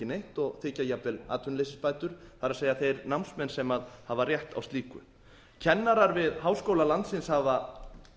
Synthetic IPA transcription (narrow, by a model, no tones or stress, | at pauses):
ɪnejht̪ɔɣθɪːcajapɛla̰ːt̪ʰʏnlejsɪspaːjt̪ʏɾ̥θaɾaðsejaθejɾnawmnsmɛnsɛmaðhavarjɛht̪a̰wst̪liːkʏ̰ | cʰɛnːaɾaɾvɪðhaːwskowlalant̪sɪnshava